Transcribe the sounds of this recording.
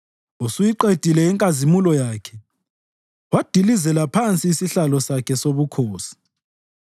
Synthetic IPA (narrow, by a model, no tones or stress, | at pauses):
usujiǃed̥ʱilɛɛŋkʼazimulɔjaːkʰɛ̥ | wad̥ʱilizɛlapʰant͡sʼiːsiɬalɔsakʰɛsoβukʰoːsi̥